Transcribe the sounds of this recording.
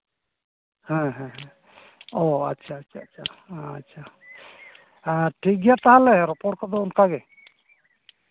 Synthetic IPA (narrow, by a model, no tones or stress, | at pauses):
hɛ̃ɦɛ̃ɦɛ̃ | ɔatːʃʰaːtːt͡ʃʰaːtt͡ʃʰaːtːʃʰa | ʈʰik̚ɡɛjat̪aɦãlɛɾɔpɔʈkɔd̪ɔunkaɡɛ